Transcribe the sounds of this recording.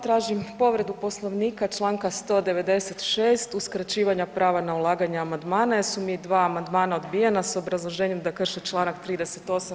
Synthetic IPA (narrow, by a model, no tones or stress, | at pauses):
t̪ɾaːʒimpo̞ʋɾe̞d̪upo̞slˠo̞ʋniːkat͡ʃlˠaːŋkast̪o̞d̪e̞ʋe̞d̪e̞se̞t̪ʃeːst̪uskɾat͡ɕiːʋaɲapɾaːʋanaulˠaːɡaɲeamand̪maːnajesumid̪ʋaːmand̪maːnao̞d̪bijenaso̞bɾazlˠo̞ʒeɲe̞md̪akr̩ʃet͡ʃlˠaːnakt̪ɾiːd̪e̞set̪o̞sa